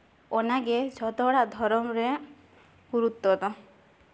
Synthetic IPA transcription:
ɔnaɡed͡ʒʱɔt̪ɔɽad̪ʱɔɾɔmɾe | ɡuɾut̪ːɔt̪ɔ

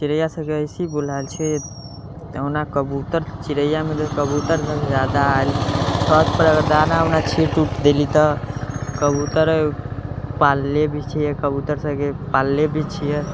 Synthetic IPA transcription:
t͡ʃiɾəjasəɡeəjsibul̤alt͡ʃʰɛ | ənakəbut̪əɾt͡ʃiɾəjamet̪ɔkəbut̪əɾsəɡed͡ʒad̪aːelsʰət̪pəɾəɡəɾd̪anaənat͡ʃʰiʈuʈʰd̪elit̪ɔkəbut̪əɾ | palːebʱit͡ʃʰijɛkəbut̪əɾsəkepalːebʱit͡ʃʰijɛ

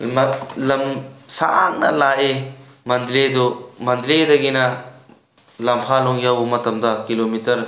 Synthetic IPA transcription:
mɐlɐmsaaŋnɐ̰laʔe | mɐnd̪ɾed̪umɐnd̪ɾedɐɡinɐ | lɐmpʰalɔŋjawbumɐtɐmdɐkilomitɐɾ

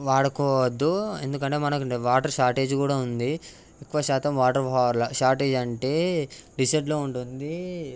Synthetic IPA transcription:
ʋaːɽɐkɔːʋɐd̪ːue̞nd̪ukɐɳʈe̞ːmɐnɐkɐɳeʋaːʈɐɾʂaːɾʈe̞ːd͡ʒkuːɽaːund̪i | ikːuʋɐʃaːt̪ɐmʋaːʈɐɾpaːɾlɐʃaːɾʈe̞ːd͡ʒɐɳʈe̞ːɖisɐʈloːuɳʈund̪i

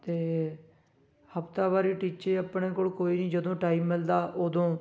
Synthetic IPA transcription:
t̪eː | həpt̪aːbaːɾiːʈiːt͡ʃeːəpɳeːkoːlkoːiːnĩːd͡ʒəd̪õːʈaːiːmːɪld̪aːʔod̪õː

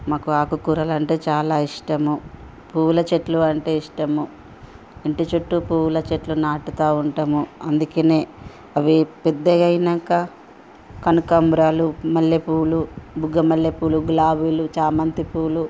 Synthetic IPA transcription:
maːkuaːkukuːɾɐːlɐɳʈe̞ːt͡ʃaːlaːiʂʈɐmu | puːlɐt͡ʃeʈluɐɳʈe̞ːiʂʈɐmu | eɳʈit͡ʃoʈːupuːlɐt͡ʃeʈlunaːʈut̪aːuɳʈɐmuɐnd̪ukeːneː | ɐʋipɛd̪ːɐɡɐjnɐŋkɐ | kɐnukɐmbɾaːlumɐljepuːlubuɡɐmɐljepuːluɡlaːbilut͡ʃaːmɐnt̪ipuːlu

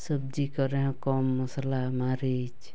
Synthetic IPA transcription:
səb̚d͡ʒikɔɾeɦɔ̃kɔmːuslamaɾid͡ʒ

